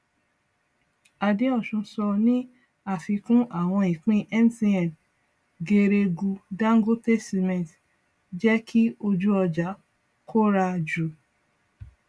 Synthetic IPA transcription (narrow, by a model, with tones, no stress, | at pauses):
a˨dĩ˨˦ɔ˦˨ʃũ˧sɔ˧nĩ˦ | a˦˨fi˧kũ˦ʔa˦˨w̃ɔ̃˧i˨k͡pĩ˦ʔɛ˦n˦ti˧ɛ˨n | ɡe˧ɾe˧ɡu˧ɡã˦ŋ˦ɡo˦tɛ˦si˧mɛ̃˨t | d͡ʒɛ˦kʰi˦o˧d͡ʒu˦ɔ˧d͡ʒa˨˦ | kʰo˦ɾa˧d͡ʒu˨